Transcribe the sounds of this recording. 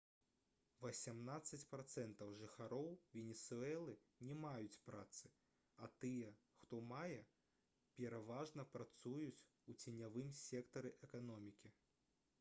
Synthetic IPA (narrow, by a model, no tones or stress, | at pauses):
vɐsʲamnat̪sːɐt͡sʲpɾat̪sɛnt̪ɐwʐɨxaɾɔwvʲɛnʲɛsuɛlˠɨ | nʲɛmajut͡sʲpɾat̪sɨ | at̪ɨjɛ | xt̪ɔmajɛ | pʲɛɾavaʐnɐpɾat̪sujut͡sʲ | ut͡sʲɛnʲavɨmsʲɛkt̪ɐɾɨʔɛkanɔmʲikʲi